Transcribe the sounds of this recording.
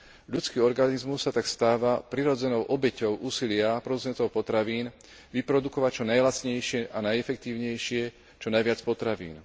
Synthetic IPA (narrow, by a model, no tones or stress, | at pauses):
ʎut͡skiːɔɾɡanizmusːat̪akst̪aːʋapɾiɾɔd͡zɛnɔʊʔɔbɛcɔʊʔuːsilɪapɾɔd̪ut͡sɛnt̪ɔʊpɔt̪ɾaʋiːn | ʋipɾɔd̪ukɔʋact͡ʃɔnajlat͡sɲɛjʃɪɛʔanajɛfɛk̚t̪iːʊɲɛjʃɪɛ | t͡ʃɔnajʋɪat͡spɔt̪ɾaʋḭːn